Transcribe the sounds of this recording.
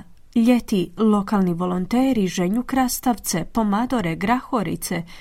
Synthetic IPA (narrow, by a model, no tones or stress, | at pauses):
ʎet̪ilˠo̞kaːlˠniʋo̞lˠont̪eːɾiʒeɲukɾast̪aʋt̪sepo̞mad̪oɾeɡɾaxoɾḭt̪se